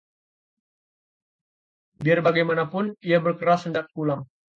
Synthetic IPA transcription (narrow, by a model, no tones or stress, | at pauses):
biarbaɡajmanapʊniabərkəɾasəndak̚kulam